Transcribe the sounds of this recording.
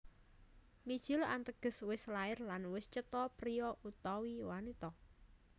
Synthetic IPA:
mid̥ʒ̥ɪla̰nt̪əɡ̥ə̤swɪslaɪrlanwɪst͡ʃət̪ɔpɾijɔʔut̪ɔwiwanit̪ɔ

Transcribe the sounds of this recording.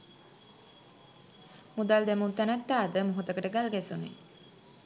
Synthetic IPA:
mud̪ald̪æmunt̪ænæt̪ːaːd̪əmoɦot̪əkəʈəɡalɡæsunḭ

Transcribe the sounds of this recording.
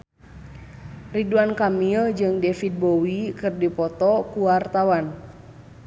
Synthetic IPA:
riduankamild͡ʒɨŋdɛfit̪̚bowikɨrdipɔt̪ɔkuwart̪awan

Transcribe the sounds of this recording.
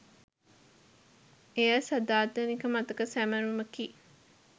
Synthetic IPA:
eæsɐd̪aːd̪ɐnikɐmɐt̪ɐkɐsæmɐɾumɐkiː

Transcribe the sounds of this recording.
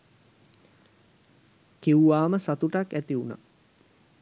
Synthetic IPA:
kiuʋaːməsat̪uʈakæt̪iuna̰

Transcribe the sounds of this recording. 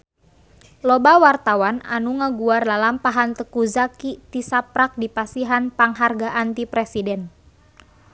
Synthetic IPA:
lɔbawart̪awana̰nuŋəɡuarlalampaɦant̪əkuzakit̪isapɾak̚dipasiɦanpaŋɦarɡaʔant̪ipɾɛsidɛn

